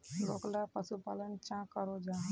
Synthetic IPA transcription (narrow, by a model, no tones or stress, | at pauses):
ɾoːklapəsupaːlənt͡ʃãkəɾod͡ʒaː